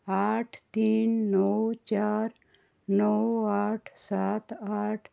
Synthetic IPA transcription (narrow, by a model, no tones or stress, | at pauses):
aʈʰt̪iːnːɔwt͡ʃaɾ | nɔwaːʈʰsat̪aːʈʰ